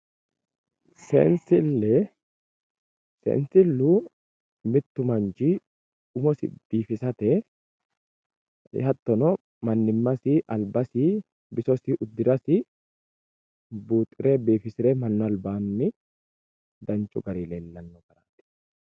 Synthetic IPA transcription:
sḛːnsɪlːɛ | sḛːnsɪlːuː | mɪt̪ːʊmɐnd͡ʒiː | ʊmɔsɪ̰d̪̥iːfɪsɐt̪ɛ | ɪ̰hɐt̪ːɔnɔ | mɐnːɪmːɐsiʔɐlbɐsiː | bɪsɔsiːʔʊd̪ːɪɾɐsɪ | buːt̪ʼːɪɾe̞ːbeːfɪsɪɾeːmɐnːɔɐlbaːnːɪ | d̪ɐnt͡ʃʼːʊ̰ɡɐɾiːleːlːɐnːɔɡɐɾaːt̪ːɪ̥

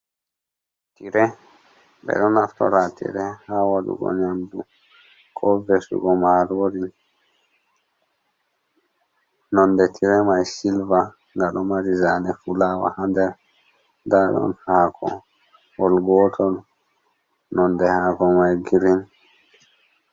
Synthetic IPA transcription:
tiɾɛ | bɛ̰ɗɔnaftɔ̰ɾatḭɾɛhawaɗṵɡɔ̰ɲamdu | kʰɔvɛsṵɡɔmaɾɔɾi | nɔndɛtʰiɾɛmajsilva | ŋɡaɗɔmaɾizanɛfulawa̰handɛɾ | daɗɔ̰nhakʰɔ̰ | wɔlɡɔːtʰɔl | nɔndɛhaːkɔmajɡiɾin

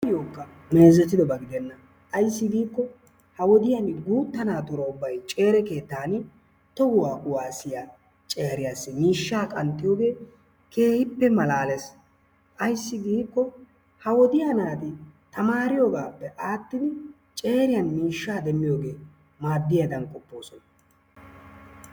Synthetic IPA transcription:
ɪjoːkːɐ | me̞ːzɛt̪ːɪd̪ɔbɐɡɪd̪ɛnːɐ | ʔɐjsːɪɡiːkːɔ | hɐwɔd̪ɪjɐnɡuːt̪ːɐnaːt̪ʊɾɔʊbːɐjt͡ʃʼe̞ːɾɛke̞ːt̪ːaːn | t̪ɔɡʊwaːʔʊwaːsɪja | t͡ʃʼeːɾɪjasːɛmiːʃːaːkʼɐnt̪ʼːɪjoːɡe̞ː | kʰe̞ːhɪpːɛmɐlaːles | ʔɐjsːɪɡiːkːɔ | hɐwɔd̪ɪjanaːt̪ɪt̪ɐmaːɾɪjoɡaːpːɛʔaːt̪ːɪd̪ɪ | t͡ʃʼe̞ːɾɪjɐnmiːʃːaːd̪ɛmːɪjo̞ːɡe̞ː | maːd̪ːɪjad̪ɐnkʼɔpːo̞ːsɔnɐ

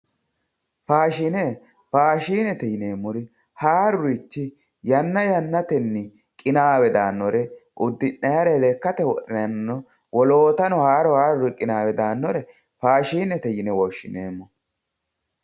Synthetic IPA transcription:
faːʃine | faːʃiːnɛt̪ɛjɪneːmːʊɾɪ | haːɾʊɾɪt͡ʃːɪ | jɐnːɐjɐnːɐt̪ɛnːɪ | kʼɪnaːwɛd̪aːnːɔɾɛʔʊd̪ːɪnːɐjɐɾɛlekːɐt̪ɛwɔɗɪnɐnːɔ | wɔlo̞ːt̪ɐnɔhaːɾɔhaːɾʊɾɪkʼɪnaːwɛd̪aːnːɔɾɛ | faːʃiːnɛt̪ɛjɪnɛwɔʃːɪneːmːɔ

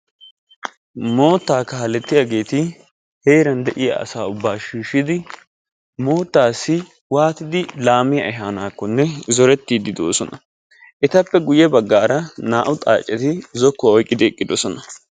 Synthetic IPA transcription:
mo̞ːt̪ːaːkaːɐlɛt̪ːɪjaɡe̞ːt̪ɪ | heːɾɐnd̪ɛʔɪja̰ɐ̰saːʊbːaːʃiːʃːɪd̪ɪ | mo̞ːt̪ːaːsːɪ | waːt̪ɪd̪ɪlaːmɪjɐ̰ʔɪɦaːnaːkːɔnːɛzɔɾɛt̪ːiːd̪ɪd̪oːsɔnɐ | ʔɛt̪ɐpːɛɡʊjɛbɐɡːaːɾɐnaːʔʊt̪ʼa̰ːt͡ʃʼːɛt̪ɪzɔkːɔɔjkʼːɪd̪ɪɛkʼːɪd̪ɔsɔnɐ

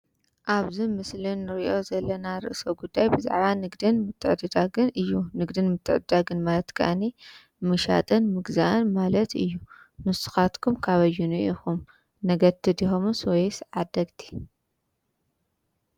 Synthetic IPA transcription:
ʔaβzimɨslɨnːɨɾiʔo̞zɐlːɐnaɾɨ̰ʔsowɡud̪ːajbɨza̰ʕβanɨɡd̪ɨnmɨt̪ʰːɨʕd̪ɨd̪aɡɨnɨjːunɨɡd̪ɨnmɨt̪ʰːɨʕɨd̪ɨd̪aɡɨnmalɐt̪kʰɨ̰ʔani | mɨʃa̰t̪ʼɨnmɨɡzaʔɨnmalɐt̪ɨ̰jːu | nɨsɨ̥xat̪kʰumkʰaβɐjːunɨʔixum | nɐɡɐɾt̪ʰːɨd̪ixomɨswɔjsʕad̪ɐɡt̪ʰi̥

